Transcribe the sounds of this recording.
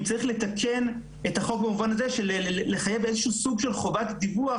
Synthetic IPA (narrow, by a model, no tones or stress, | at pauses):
t͡saʁiχle̞takʰe̞n | etaχo̞k̚bamuvanaze̞ʃelle̞χajevezeʃuːsuɡʃe̞lχo̞vat̪d̪ibua